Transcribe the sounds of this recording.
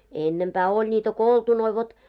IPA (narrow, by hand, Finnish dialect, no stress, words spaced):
enːempæː olʲ nʲitæ koltunoi ʋot